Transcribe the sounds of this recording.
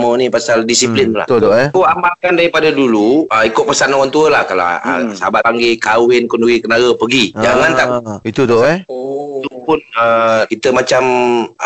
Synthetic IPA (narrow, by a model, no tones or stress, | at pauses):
mənipasaldisiplɪnla̰h̪koambalkandaɾipadaduluəikʊʔpəsanɔɣɔnt̪uəlahkala̰ə̰səabaaŋɡekawɪnkonuɡikənaɡəpəɡid͡ʒaŋant̪ait̪ut̪o | t̪upʊnəkit̪əmat͡ʃam